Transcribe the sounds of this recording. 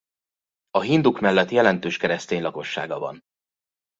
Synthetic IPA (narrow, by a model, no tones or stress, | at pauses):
ɒɦind̪ukmɛlːɛt̪jɛlɛnt̪øːʃkɛɾɛst̪eːɲlɒko̞ʃːa̰ːɡɒvɒ̰n